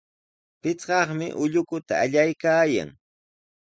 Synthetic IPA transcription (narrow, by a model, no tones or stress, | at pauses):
pɪt͡sɢɑχmɪʔʊʎʊkʊt̪aːʎajkaːja̰ŋ